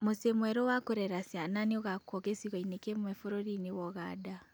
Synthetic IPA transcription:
mosemwɛɾɔwakoɾɛɾasiananeoɣakɔkesiɣɔinekemwɛfoɾoɾinewɔɣada

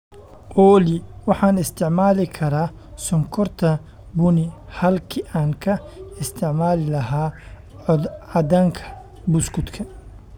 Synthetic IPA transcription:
ʔɔlɪwɑħɑːnɪst̪ʰɪʕmaːlɪkʰɐɾaː | sɔŋkʰɔrt̪ʰɐ | bʊnɪhɐlkʰiʔaːŋkʰɐɪst̪ʰɪʕmaːlɪlɐɦaː | ʕɑd̪aːŋkʰɐ̥ | bʊskʊd̪kʰɐ

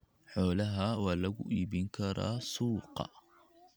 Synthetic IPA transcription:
ħoːlaɦawalːaɡuʔibinkɑɾˤɑ̰suːqɑ̰

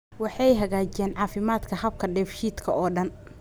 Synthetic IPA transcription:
wɑħɑjɦɐɣaːt͡ʃɛːnʕɑːfɪmaːd̪kʰɐhɐb̚kʰɐɖɛːfʃiːd̪kʰɐʔɔːɖɐn

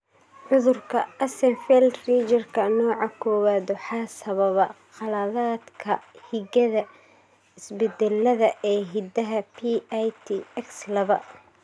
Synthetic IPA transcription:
ʕʊðʊrkʰɐɐsɛnfɛlriːt͡ʃɐrkʰɐnɔːʕɑkʰɔːwaːd̪ɔħɑsɐβɐβɐqɑlɐðaːd̪kʰɐhiɣɐðɐ | ɪsbɛd̪ɛlːɐðɐʔɛːɦid̪ɐɦɐpʰiajt̪ʰiɛkslɐβɐ̰

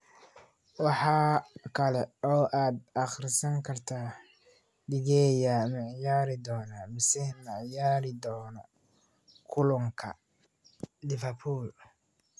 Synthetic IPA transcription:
wɑħɑːkʰɐlɛɔːʔaːd̪ɑχɾsɐŋkʰɐrt̪ʰaː | dɪɡɛːjamɛʕjaːɾɪd̪ɔːnaːmɪsɛmɛʕjaːɾɪd̪ɔːnɔ | kʰʊlʊŋkʰɐ̰ | lɪfɛrpʰuːl

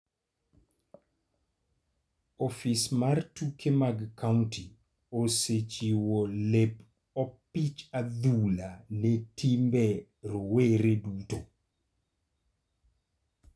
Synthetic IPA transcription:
ɔfismartukemaɡkaunti | oset͡ʃiwolep | ɔpit͡ʃad̪ulanetimbɛ | ɾoweɾeduto

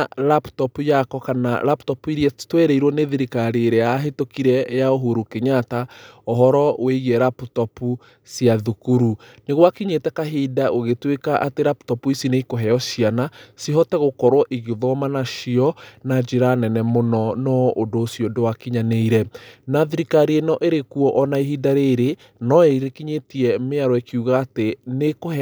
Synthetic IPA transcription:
laptɔpujakɔkana̰laptɔpuiɾiɛtwɛɾeiɾwɔneðiɾikaɾeːɾeaːɦetokiɾɛjaoɦoɾukeɲataɔɦɔɾɔweiɣiɛɾaputɔpu | siaðukuɾuneɣwakiɲetɛkaɦidaʔoɣetwekaʔateɾaptɔpuisineikoɦɛɔʃianasiɦɔtɛɣokɔɾwɔʔiɣeðɔmanaʃiɔnad͡ʒeɾanɛnɛmonɔnɔʔodoːsiodowakiɲaneiɾɛnaðiɾikaɾienɔʔeɾekuɔʔɔnaiɦidaɾeɾe | nɔeiɾekiɲetiɛmeaɾɔɛkiuɣaːtenekohɛ

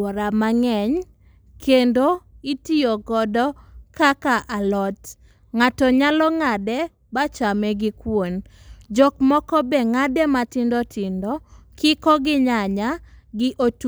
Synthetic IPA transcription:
ɔɾamaŋɛɲ | kʰendoitijoɡɔdɔkakaʔalɔt | ŋatɔɲalɔŋadɛ | bat͡ʃamɛɡɪkwond͡ʒɔkmɔkɔbɛŋadɛmatɪndɔtɪndɔkʰɪkɔɡɪɲaɲaɡɪʔot

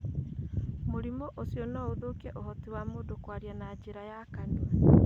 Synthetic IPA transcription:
moɾimɔʔosiɔnɔoðokiɛʔohɔtiwamodokwaɾjanaːd͡ʒeɾajakanuwɛ

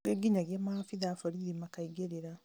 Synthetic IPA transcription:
eɡiɲaɡemafiðaːfoɾiɾimakaiɡeɾeɾa

